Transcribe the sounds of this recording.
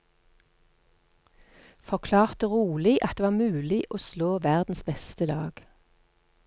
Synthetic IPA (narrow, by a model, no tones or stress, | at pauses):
fɔʁkʰlɑːʁt̪əʁuːlɪʔɑt̪d̪eːʋɑːʁmʉːlɪʔoːsloːʋæʁd̪n̩sbɛst̪əlɑ̰ːɡ̥